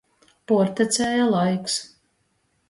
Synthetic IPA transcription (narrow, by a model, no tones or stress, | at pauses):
puɔɾt̪ɛt̪sʲɛːjalˠajks